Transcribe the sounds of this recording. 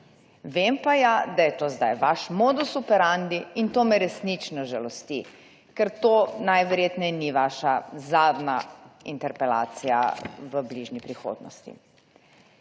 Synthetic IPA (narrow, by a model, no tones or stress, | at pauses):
ʋempajad̪ajɛt̪oːzd̪ajʋaʃmoːd̪ɔsupɛɾand̪iːnt̪oːmɛɾɛsnit͡ʃnɔʒalɔst̪i | kɛɾt̪oːnajʋɛɾjeːt̪nɛjniʋaːʃazaːd̪naḭnt̪ɛɾpɛla̰ːt̪sija̰ʋəbliʒnipɾixo̰ːd̪nɔ̰st̪ḭ